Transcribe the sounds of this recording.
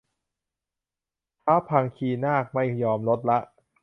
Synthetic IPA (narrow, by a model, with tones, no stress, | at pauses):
p̪ʰaː˦˥wpʰa˧ŋkʰiː˧˩naː˥˩k̚ma˥˩jːɔː˧mlo˦˥t̪̚la˦˥ʔ